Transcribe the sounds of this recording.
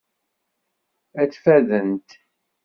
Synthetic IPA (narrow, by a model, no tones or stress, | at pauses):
æt͡sːfæðənt̪